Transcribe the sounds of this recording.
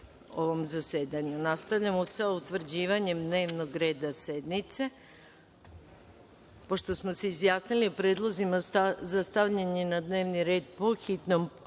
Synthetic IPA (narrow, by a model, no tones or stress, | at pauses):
oʋo̞mzaseːd̪aɲunast̪aʋʎamosaut̪ʋr̩d͡ʑiːʋaɲe̞md̪ne̞ːʋnoɡɾe̞ːd̪ased̪nit̪se̞ | po̞ʃt̪o̞smo̞seizjaːsniliupɾe̞ːd̪lˠo̞zimaazast̪aʋʎaɲenad̪ne̞ːʋniɾe̞ːd̪po̞xit̪nom